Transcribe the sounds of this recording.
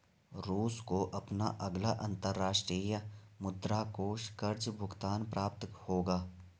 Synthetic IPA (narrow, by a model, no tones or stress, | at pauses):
ɾuːskoʔɐpna̰ʔɐɡlaʔɐ̃nt̪əɾːaːʃʈɾijəmʊd̪ɾaːkoːʃkɐɾd͡ʒbʱʊɡt̪aːnpɾʔaːp̚t̪hoːɡaː